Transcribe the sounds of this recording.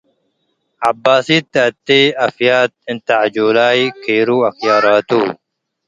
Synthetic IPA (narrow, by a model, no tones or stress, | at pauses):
abːaːsiːt̪ːɐt̪ːeːɐfjaːt̪̚ɪnt̪aʕd͡ʒoːlaːjkʰeːɾuːɐxjaːɾaːt̪uː